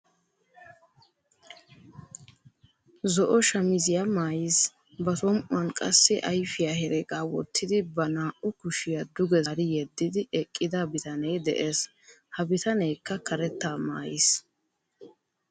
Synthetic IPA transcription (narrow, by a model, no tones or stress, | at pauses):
zɔʔɔʃɐmɪzɪjamaːjɪs | bɐt̪ɔmʔʊ̰ɐnkʼɐsːɪʔɐjfɪjahɛɾɛɡaːwɔ̰t̪ʰːɪd̪ɪbɐnaːʔʊkʊʃɪjad̪ʊɡɛɾɪjɛd̪ːɪd̪ɪɛkʼːɪd̪ɐbɪt̪ɐnɛjd̪ɛ̰ʔeːs | hɐbɪt̪ɐnɛjkːɐkɐɾɛt̪ːaːma̰ːjḭs